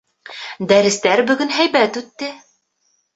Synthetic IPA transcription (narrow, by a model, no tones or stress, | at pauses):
d̪æɾɘ̆st̪æɾbɵ̆ɡɵnɦæjbæt̪ʉt̪ːɘ